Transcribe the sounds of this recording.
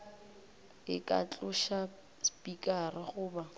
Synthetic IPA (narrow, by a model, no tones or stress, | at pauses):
ɪkʼa̰t͡ɬʼʊʃa | spʼikʼarɪχʊːba